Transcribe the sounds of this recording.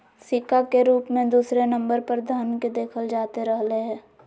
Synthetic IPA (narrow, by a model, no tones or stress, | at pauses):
sɪkakeɾuːpmẽd̪uːsɾenɐ̃mbəɾpəɾd̪ʱanked̪eːkʰəld͡ʒaːt̪eɾəɦleɦɛ̃ː